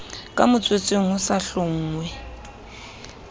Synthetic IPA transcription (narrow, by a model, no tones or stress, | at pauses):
kʼamʊt͡sʼwet͡sʼeŋ̩ʊsaɬʊŋ̩ːŋwɛ